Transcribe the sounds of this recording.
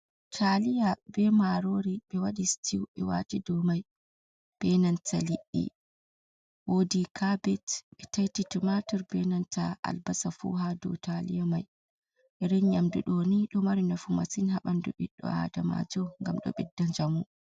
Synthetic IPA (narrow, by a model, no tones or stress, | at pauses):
tʰalijabɛmaɾoɾiɓɛwaɗistʰiwɓɛwa̰tidɔmaj | b̥ɛnantʰaliʔːḭ | wodikʰabɛtɓɛtajtitumatuɾbɛnantaʔa̰lbasafṵɦadɔ̰talijamaj | ʔɛɾiɲɲamduɗɔniɗɔmaɾinafuma̰sinɦaɓanduɓḭɗːɔ̰a̰dama̰d͡ʒɔŋɡamɗɔ̰ɓɛdːaɲd͡ʒamu